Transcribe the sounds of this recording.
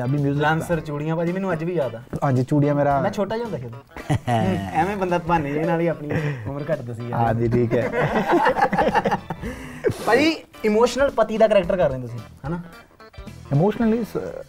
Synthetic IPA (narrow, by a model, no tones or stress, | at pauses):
abiːmjuːzlaːnsəɾt͡ʃuːɽijãːpaːd͡ʒiːmɛːnũəd͡ʒʋiːd͡ʒaːd̪aːãːɲd͡ʒt͡ʃuːɽijãːmeːɾaːmɛ̃ːt͡ʃʰoːʈaːd͡ʒãːnd̪aːked̪aː | ɛ̃ːmẽːbənd̪aːt̪baːnːeeːnaːliːapɳiʊməɾkəʈd̪aːsiːaːd̪iːʈʰiːkɛː | paːd͡ʒiː | ɪmoːʃnəlpət̪iːd̪aːkəɾɛːk̚ʈəɾkəɾːeẽːt̪ʊs̬ĩːɦɛːnaː | ɪmoːʃnəlis